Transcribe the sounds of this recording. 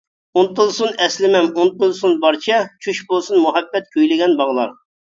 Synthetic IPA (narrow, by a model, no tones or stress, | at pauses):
unt̪ulˠsunɛslɪmɛmunt̪ulˠsunbɑɾt͡ʃʰɛt͡ʃʰyʃbolˠsunmuɦɛbːɛt̪̚kʲʰøjlɪɡʲɛnbɑʁlˠɑ̰ɾ